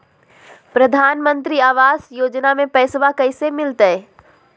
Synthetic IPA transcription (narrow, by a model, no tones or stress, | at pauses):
pɾəd̪ʱaːnmə̃nt̪ɾiaːʋaːsjoːd͡ʒnamẽpɛːsʋakəɪsemɪlt̪ə